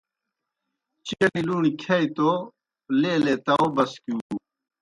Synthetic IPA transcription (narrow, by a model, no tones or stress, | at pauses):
t͡ɕiɐniluːnikʰɐːit̪o | leːleːt̪ɐobɐskjũːuː